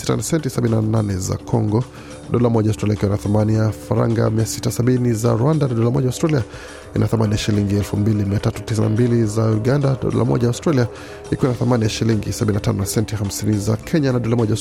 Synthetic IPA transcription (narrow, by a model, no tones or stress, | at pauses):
si̥ta̰nasɛntisaɓininananɛza̰kʰɔŋɡɔ | ɗɔlamɔʄaʊstɾaliaikiwanaθamanijafaɾa̰ŋɡa̰miasitasaɓiniza̰ɾuandanaɗɔlamɔʄaʊwstɾalia | inʔaθamanijaʃiliŋɡiɛlfumbilimiatatutisina̰mbilizauɡandaɗɔ̰la̰mɔ̰ʄajaʊstɾalia | ikiwanaθamanijaʃiliŋɡisabɓininatanɔnasɛntihamsinizakʰɛɲanaɗɔlamɔʄa